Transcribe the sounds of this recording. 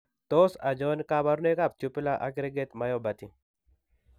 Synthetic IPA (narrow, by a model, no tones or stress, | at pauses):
t̪osad͡ʒɔnkabaɾnekap̚tupɪlaʔa̰ɡɾeɡet̪majɔbat̪i